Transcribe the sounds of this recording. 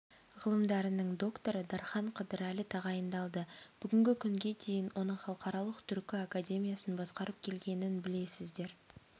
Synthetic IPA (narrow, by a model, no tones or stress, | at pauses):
ʁəlˠəmd̪ɑɾənəɴd̪o̞kt̪o̞ɾəd̪ɑɾχɑɴqʰəd̪əɾælɪt̪ʰɑʁɑjənd̪ɑlˠd̪əb̥ʏɡʲɪŋɡʲɪkʲʰʏŋɡʲe̞d̪e̞jɪnwʔo̞nəɴχɑlˠəqɑɾɑlˠəqt̪ʰʏɾkʲɪakadʲe̞mʲijasənbɑsqɑɾəp̚kʲʰe̞lɡʲe̞nɪnbɪle̞sɪzd̪e̞ɾ